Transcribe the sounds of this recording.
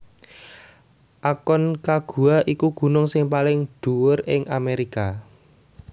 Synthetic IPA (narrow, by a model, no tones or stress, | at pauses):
ʔakɔnkaɡ̥ṳaʔikuɡ̥ṳnʊŋsɪŋpalɪŋɖ̪̥ṳwʊrɪŋʔameɾika